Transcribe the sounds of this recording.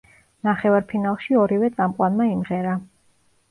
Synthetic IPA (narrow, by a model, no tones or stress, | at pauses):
naχɛvaɾpʰinalˠʃiɔɾivɛt̪sʼamqʼwanmaimʁɛɾa